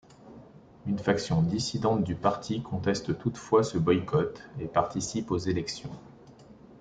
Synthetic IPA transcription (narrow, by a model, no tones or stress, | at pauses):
ynfaksjɔ̃d̪isid̪ɑ̃t̪̚d̪ypaʁt̪ʰikʰɔ̃t̪ɛst̪t̪ut̪fwasəbɔjkɔt̪epaʁt̪isipozelɛksjɔ̃